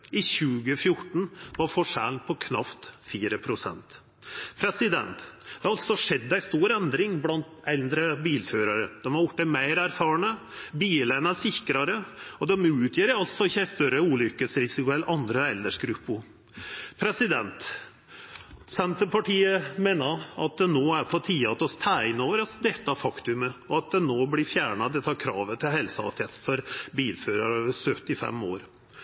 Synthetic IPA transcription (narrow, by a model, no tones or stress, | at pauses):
ɪçʉːɡəfjʊʈːɳ̩ʋɑfɔʂæ̰ːlpʰɔkʰnɑ̰ft̪fiːɾəpʰɾʊsɛ̰nt̪ | pʰɾɛsɪd̪ɛ̰nt̪d̪d̪̥ɛhɑɾɑlt̪sɔʂɛd̪ːæɪst̪uːɾɛnd̪ɾɪŋblɑnt̪ɛld̪ɾəbiːlføːɾɑɾəd̪̥ɛmɑɾjɔʈːəmæɪɾæɾfɑːɳə | biːlənɑsɪkɾɑɾəɔd̪ɛmʉːt̪ʰjøːɾɑlt̪sɔɪçːæst̪œɾəuːlʏkːəsɾɪsɪkʊɛlʔɑnd̪ɾəɛld̪əʂɡɾʉpːʊ | pʰɾɛsɪd̪ɛnt̪ | sɛnt̪əpʰɑʈʰiːəmeːnəɾɑ̰t̪̚d̪ɛnoːæɾpʰɔt̪ʰiːɑɑt̪ɔst̪ʰæɪnoːʋəɾɑsd̪ɛt̪ːɑæfɑkt̪ʉməɔɑt̪̚d̪ɛnoːblɪfjæːɳɑd̪ɛt̪ːəɑɾkʰɾɑ̰ːʋət̪ʰɪlɦɛlsəɑ̰t̪ʰɛsfɔɾbiːlføːɾɑɾoːʋəsœt̪ːɪfɛ̰mːo̰ːɾ